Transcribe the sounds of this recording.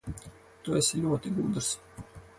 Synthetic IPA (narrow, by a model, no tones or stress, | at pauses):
t̪uɛslʲuɔt̪iɡuːd̪ɾs